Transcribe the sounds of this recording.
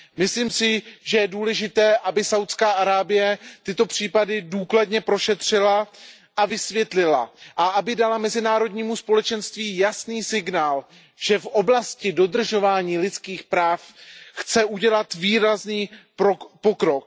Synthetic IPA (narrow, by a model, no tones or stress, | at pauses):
mɪsliːmsɪʒɛjɛduːlɛʒɪt̪ɛːʔabɪsawt̪skaːʔaɾaːbɪjɛt̪ɪt̪o̞pr̝̥iːpadɪduːkladɲɛpɾo̞ʃɛt̪r̝̥ɪla | ʔavɪsvjɛt̪lɪla̰ʔaʔabɪdalamɛzɪnaːɾo̞dɲiːmuspo̞lɛt͡ʃɛnst̪viːjasniːsɪɡnaːl | ʒ̥ɛfʔo̞blascɪdo̞d̪r̩ʒo̞vaːɲiːlɪt̪t͡skiːxpɾaːfxt͡sɛʔuɟɛlat̪viːɾazniː | pokɾo̞k̚